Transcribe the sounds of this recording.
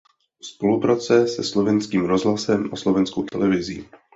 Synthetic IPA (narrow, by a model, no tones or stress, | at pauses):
spo̞lupɾat͡sɛsɛslo̞vɛnskiːmɾo̞zɦlasɛmʔaslo̞vɛnskowt̪ɛlɛvɪzḭː